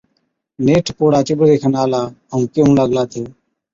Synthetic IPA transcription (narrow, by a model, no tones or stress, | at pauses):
neːʈʰpoːɽaːt͡ʃɪbɽd̪eːkʰənaːlaːəũːkjoũləɡlaːt̪ʰeː